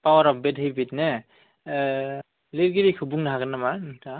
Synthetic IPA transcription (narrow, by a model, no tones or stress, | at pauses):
pawaɾɔp̚bedɦɯjbitne | leɾɡiɾikʰɯbuŋnaɦaɡɯnamanta